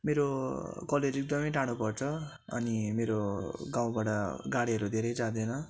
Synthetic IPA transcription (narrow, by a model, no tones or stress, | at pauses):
meɾokʌleɾek̚d̪ʌmʌjʈaɽ̃upʌrt͡sʰʌ | ʌ̰nimeɾoɡãw̃baʈʌɡaɽiɦʌɾud̪ʱeɾʌjt͡sad̪enʌ